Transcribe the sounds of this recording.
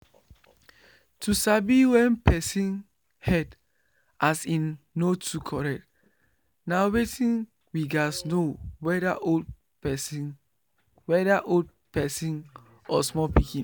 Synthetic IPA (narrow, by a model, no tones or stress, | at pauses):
tusabiwɛ̃npɛsĩn | hɛd | asĩnː | otʰukʰɔɹɛk̚t | nawetĩn | wiɡasnowɛdaʔod | wɛdaʔold̚ | pɛsĩn | ɔsmɔpikĩn